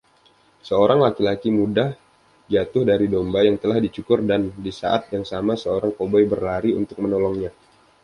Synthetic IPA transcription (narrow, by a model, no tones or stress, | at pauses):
səoɾaŋlakilakimudah | d͡ʒat̪ʊhdaɾidombajaŋt̪əlahdit͡ʃukʊrdandisa̰ʔat̪̚jaŋsamasəoɾaŋpobɔjbərlaɾiṵnt̪ʊk̚mənolɔŋɲa